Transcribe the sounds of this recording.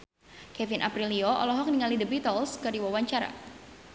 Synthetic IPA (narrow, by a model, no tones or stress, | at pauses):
kɛvinʔapɾilioʔɔ̰lɔɦɔk̚niŋalidəbit̪ɔlskərdiwawaɲt͡ʃaɾa̰